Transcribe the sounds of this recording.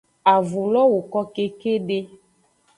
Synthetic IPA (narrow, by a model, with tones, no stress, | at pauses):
a˨vu˨lɔ˦wo˨kɔ˦ke˦ke˦ɖe˦